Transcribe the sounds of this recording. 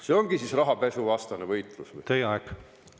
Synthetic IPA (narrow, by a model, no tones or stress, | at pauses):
se̞o̞ŋɡ̥isisrɑɦɑpe̞suvɑst̪ɑnevɤjt̪ˑlusvṵjt̪ejeɑɛɡ